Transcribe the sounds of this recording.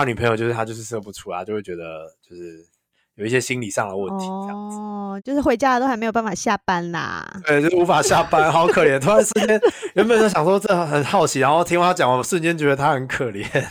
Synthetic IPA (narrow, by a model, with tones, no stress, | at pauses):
ny˨˩pʰjo˨˩t͡ɕjo˥˧ʊʂ̩ʰ˥˩a˥jo˥˧ʊʂɻ̩˥˧˩sɤ˥˧˩pu˧˥ʈ͡ʂʰu˥˧a˧t͡ɕjo˥˧we˥˩t͡ɕɥɛ˧d̪ə˧t͡ɕt͡ɕjo˥˧ʊʂɻ̩˥˩ | jo˨˩ʊi˥˩ɕjɛ˥ɕi˥nli˨˩ʂɑ̰˥˩ŋd̪ə˩wə̰˥˨t̪ʰi̥˧˥tə˥˧jɑ̰˥˩ŋd͡zɹ̩˨˩t͡ɕjo˥˧ʊʂɻ̩˥˩we˧˥ɪt͡ɕja˥lə˨t̪o˥ʊxme˧˥jpa˥˩fa˨˩ɕja˥˨pa˦na̰˩twe˥˩ɪt͡ɕjo˥ʊʂu˧˥fa˨˩ɕja˥˨pa˥nxʊ˥kʰɤ˨˩ljɛ˧˥nt̪ʰu˥a˧˦nʂɻ̩˥˩t͡ɕjɛ˥njɛ˧˥npə˨˩n˥˩ɕjɑ˨˩ŋʂwɔ˥t͡sə˥xə˨˩nxɑ˥˩ʊt͡ɕʰi˧˥ɻa˧˥nxt̪ʰi˥ŋwt͡ɕɑ˨˩ŋwa˧˩˦ʂwə˥˨nt͡ɕjɛ˥nt͡ɕɥɛ˧˥d̪ə˧t̪ʰa˥xə˧˦nkʰə˨˩ljɛ˨˦n